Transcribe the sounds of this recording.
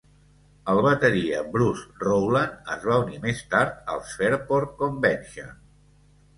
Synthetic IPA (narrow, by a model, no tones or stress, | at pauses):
əlˠβət̪əɾiəbɾusrowlənəzβ̞aunimest̪aɾt̪̚ə̰lˠsfɛɾpoɾkombɛnʲʃə